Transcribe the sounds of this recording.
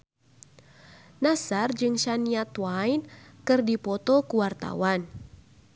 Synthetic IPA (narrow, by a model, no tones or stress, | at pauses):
nasard͡ʒɨŋʃaniat̪wajnkɨrdipɔt̪ɔkuwart̪a̰wan